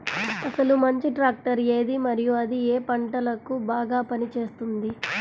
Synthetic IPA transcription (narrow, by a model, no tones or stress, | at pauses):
ɐsɐlumɐɲt͡ʃiʈɾaːk̚ʈɐɾe̞ːd̪imɐɾijuɐd̪ieːpɐɳʈɐlɐkubaːɡaːpɐnit͡ʃe̞ːst̪und̪i